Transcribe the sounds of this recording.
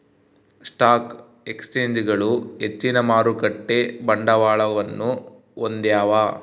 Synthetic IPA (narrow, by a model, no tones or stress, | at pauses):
sʈaːk | e̞kst͡ʃeːɲd͡ʒɡɐɭuɦet͡ʃːinɐmaːɾukɐʈːe̞bɐɳɖɐʋaːɭɐʋɐnːu | ond̪jaːʋaː